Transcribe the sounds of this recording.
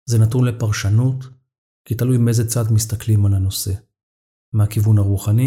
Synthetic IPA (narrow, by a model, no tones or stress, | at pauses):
zenat̪unle̞paʁʃanut̪ | kitalujmeejzet͡sadmist̪aklimalano̞se̞ | mehakivunaʁuχani